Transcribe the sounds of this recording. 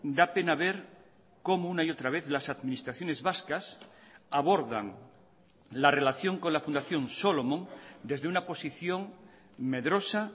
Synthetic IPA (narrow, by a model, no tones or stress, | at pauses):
d̪ape̞naβe̞ɾ | ko̞mounaiot̪ɾaβ̞e̞θlasaðmĩnist̪ɾaθjo̞ne̞zβaskasaβo̞ɾða̰ŋ | lare̞laθjo̞ŋko̞nlafund̪aθjo̞nso̞lo̞mõŋd̪e̞zðeunapo̞siθjo̞ŋ | me̞ðɾo̞sa